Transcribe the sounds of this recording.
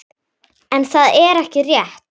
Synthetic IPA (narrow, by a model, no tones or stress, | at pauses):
ɛnθaðɛɾɛhcɪrjɛht̪